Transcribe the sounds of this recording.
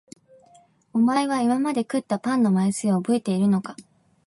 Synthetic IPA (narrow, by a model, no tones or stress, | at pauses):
o̞maeβ̞aimamad̪e̞kɯ̟t̪ːapãnːo̞maisɨobɯ̟et̪e̞iɾɯ̟no̞ka